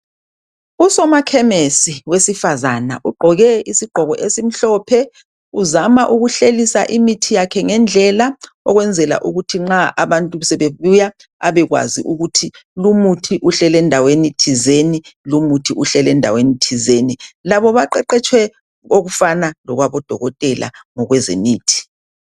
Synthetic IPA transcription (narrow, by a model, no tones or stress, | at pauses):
usɔmakʰɛmesiwesifazana̰ʔuɡ͡ǃʱɔɣɛisiɡ͡ǃ̥ʱɔɣɔʔesim̩ɬɔpʰɛ | uzamaʔuɣuɬelisa̰ʔimitʰijakʰɛŋɛnd͡ɮʱɛla | ɔ̰ɣwɛnd͡zʱɛla̰ʔuɣutʰiŋ͡ǁaʔaβantʼusɛβeβuja | aβɛɣwa̰zḭʔuɣutʰilumutʰiʔuɬɛlɛndʱawenitʰizenilumutʰiʔuɬɛlɛndʱa̰wenitʰizenilaβɔβaǃɛǃɛt͡ʃʼʰwɛ | oɣufanalɔɣwaβɔd̥ʱɔɣɔtʼɛlʔa̰ŋɔɣwɛzḛmiːtʰi̥